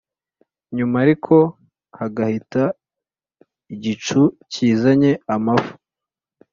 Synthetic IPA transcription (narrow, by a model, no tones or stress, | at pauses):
ɲumaɾikʰo̞ | haɡahita | iɟit͡ʃuciːzaɲe̞amafu̥